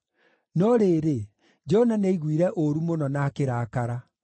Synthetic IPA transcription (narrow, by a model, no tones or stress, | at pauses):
nɔɾeːɾe | d͡ʒɔnaneiɣwiɾɛʔoɾumonɔnaːkeɾaːkaɾa